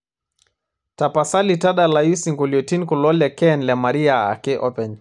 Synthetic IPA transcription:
tapasalitaɗalajisiŋɡuliɔtinkulɔlɛkɛnlɛmaɾiaa̰kɛʔɔpɛn

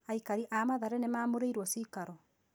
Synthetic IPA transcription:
aikaɾiʔamaðaɾɛnemaːmoɾeiɾwɔsikaɾɔ

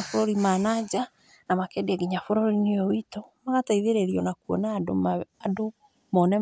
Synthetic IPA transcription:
afoɾoɾimaːnad͡ʑa | namakɛdeɛɡiɲafoɾoɾineowitomaɣataiðeɾeɾiɔnakwɔ̰nadoado | mɔnɛ

